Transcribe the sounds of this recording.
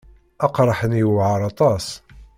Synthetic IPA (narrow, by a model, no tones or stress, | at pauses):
ɑqɾˤəħənjəwʕəɾˤɑt̪ˤɑs